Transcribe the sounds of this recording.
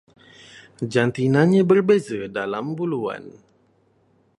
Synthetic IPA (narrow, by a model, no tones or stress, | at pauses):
d͡ʒant̪inaɲabərbezədalambulua̰n